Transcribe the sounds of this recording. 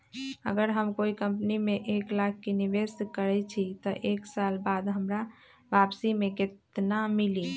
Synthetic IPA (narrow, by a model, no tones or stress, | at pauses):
ə̰ɡəɾɦəmkoikəmpnimẽʔeklak̚keniʋeskəɾɛt͡ʃʰit̪ɔʔeksalbad̪ɦəmɾa | ʋapsimẽkɪt̪namili